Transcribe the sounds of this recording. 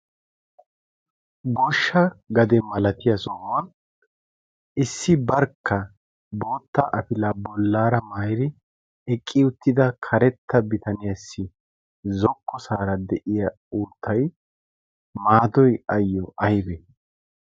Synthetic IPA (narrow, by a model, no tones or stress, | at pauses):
bɔʃːɐɡɐd̪ɛmɐlɐt̪ɪjɐsɔɐn | ʔɪsːɪbɐɾkʰːɐ | bo̞ːt̪ːɐʔɐpɪlɐbɔlːaːɾɐmajɾɪ | ɛkʼːɪʊt̪ːɪd̪ɐkʰɐɾɛt̪ːɐbɪt̪ɐnɪjɐsːɪ | zɔkːɔsaːɾɐd̪ɛʔɪjɐ | uːt̪ʰːɐj | maːd̪ɔjɐjːɔʔɐjbɛ